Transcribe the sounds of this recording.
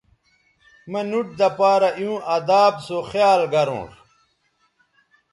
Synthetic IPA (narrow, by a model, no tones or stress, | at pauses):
mɐnuʈ̚d̪ɐpaːɾɐʔjũːʔɐd̪aːbsoxjaːlɡɐɾõ̰ːk